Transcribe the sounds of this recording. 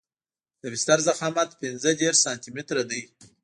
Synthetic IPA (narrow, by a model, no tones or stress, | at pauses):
d̪̥əbɪst̪aɾzaxɑmat̪pɪnzəd̪eɾɑnt̪imet̪ɾad̪əj